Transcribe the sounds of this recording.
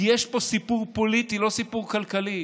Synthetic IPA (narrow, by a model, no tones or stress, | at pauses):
jɛʃposipuʁpolit̪ilosipuʁkalkali